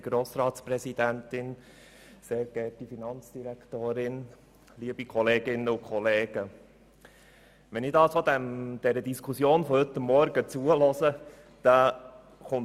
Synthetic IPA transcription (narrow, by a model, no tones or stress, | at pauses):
ɡ̥ɾoːsɾɑːtspɾɛsid̥̪æntɪn | seːɾɡɛtifinɑnt͡sd̥iɾæktoːɾɪn | liːəbikʰɔleːɡɪnːəʊkχɔleːɡ̥ə | ʋɛnɪdɑsod̪ɛmd̥ɛɾədiskʰusjoːnfɔhɵt̪ːəmːɔɾɡət͡suəlɔzə | d̥ɑ | χʊn